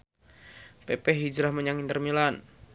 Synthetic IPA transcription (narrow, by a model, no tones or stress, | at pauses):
pɛpɛɦid͡ʒɾahməɲaŋint̪ərmilan